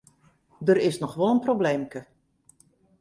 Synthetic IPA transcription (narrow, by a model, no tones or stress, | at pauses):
dəɾɪsnɔxʋɔlˠənprowbleːmkə